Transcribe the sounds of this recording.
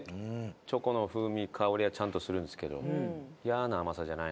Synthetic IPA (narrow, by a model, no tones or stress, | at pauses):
t͡ɕo̞ko̞no̞ɸɯ̟ːmʲikʰaoɾʲiat͡ɕãnt̪o̞sɨɾɯ̟̃nd̪esɨ̥ke̞d̪o̞̰ijanaːmasaʑanai